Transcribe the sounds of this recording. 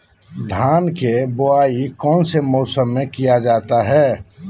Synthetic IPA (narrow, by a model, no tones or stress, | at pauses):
d̪ʱaːnkeboaːikɔːnsemɔːsəmːẽkijad͡ʒaːt̪aɦɛː